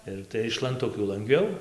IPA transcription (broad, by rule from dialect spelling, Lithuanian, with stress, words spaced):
ˈɪr tɐɪ ɪʃ lˠɐnˈtʊkʲuː lˠɐŋɡˈʋʲɛʊ